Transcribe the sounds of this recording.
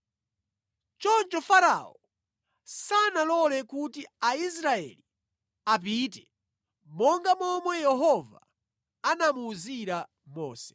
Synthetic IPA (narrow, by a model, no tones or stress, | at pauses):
t͡ʃɔnt͡ʃɔfaɾa̰ɔ | sanalɔlɛkutiais̬ɾaɛ̰li | ap̬iːt̬ɛ | mɔŋɡamɔmwɛjɛɦɔva̰ː | namuːziɾa | mɔ̰ːsɛ̥